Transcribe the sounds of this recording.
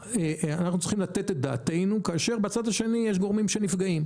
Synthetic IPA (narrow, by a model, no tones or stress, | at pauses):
eanaχnut͡slˠi̥χimlat̪e̞t̪et̚d̪a̰ːt̪e̞jnukaːʃe̞ʁbeat͡sad̪haʃe̞nijeɛʃ̬ɡo̞ʁmimʃe̞nifɡaim